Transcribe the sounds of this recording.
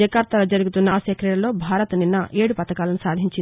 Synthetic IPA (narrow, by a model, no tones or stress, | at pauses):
ɛkaːɾt̪ɐlɐd͡ʒɐɾuɡut̪unːɐsɐkɾiɽɐlo̞ːbʱaːɾɐt̪ninːɐʔe̞ːɽupɐt̪ɐkaːlɐnusaːd̪ʱiɲt͡ʃin